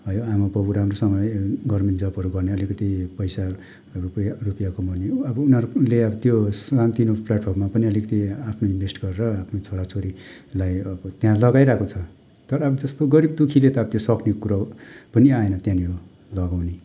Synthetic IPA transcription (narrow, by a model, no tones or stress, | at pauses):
ɦʌjoamapʌbuɾɦamrosʌŋʌɡʌrmend͡zʌpʌɾuɡʌrneʌlikʌt̪ipʌjsa | ruparupjakomʌneʌbʌunɦʌɾuleʌbʌt̪josant̪inopʰlaʈ̚pʰormapʌniʌlikʌt̪iapʰnoĩnbʱesʈɡʌɾeɾʌapʰnot͡sʰoɽat͡sʰoɾi | lajʌbʌt̪jãlʌɡajɾakʰot͡sʰʌ | t̪ʌɾʌːbʌd͡zʌst̪oɡʌɾib̚d̪ukʰilet̪ʌʌbʌt̪josʌknekokuɾapʌniaenʌt̪jãnio | lʌɡawne